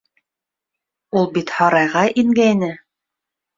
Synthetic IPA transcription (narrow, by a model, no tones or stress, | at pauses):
ulˠbit̪hɑɾɑjʁɑʔiŋɡæjnɘ